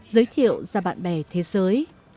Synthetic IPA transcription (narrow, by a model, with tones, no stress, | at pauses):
zəː˨˦jt̪ʰḭ˧˨əwzaː˧ɓa̰ː˧˨nɓɛ˧˩t̪ʰe˨˦zəː˨˦j